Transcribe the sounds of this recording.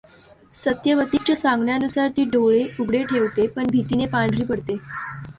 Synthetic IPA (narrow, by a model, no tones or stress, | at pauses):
sət̪jəʋət̪it͡ɕasãŋɡɳjanusaɾt̪iːɖoɭeuɡɽeʈʰeʋt̪epəɳbʱit̪iːnepaɳɖɾiːpəɽt̪e